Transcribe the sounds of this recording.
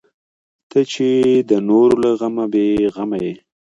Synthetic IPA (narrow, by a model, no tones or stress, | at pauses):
t̪ət͡ʃed̪ənoɾolaɣamabeɣamaje